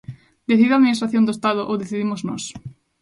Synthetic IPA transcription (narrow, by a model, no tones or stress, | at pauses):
d̪eθiðaðminist̪ɾaθjõnd̪oest̪aðʊʔowðeθiðimoznɔ̰s